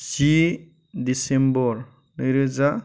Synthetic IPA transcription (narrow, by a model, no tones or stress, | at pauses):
si | disembɔɾ | nɯɾɯza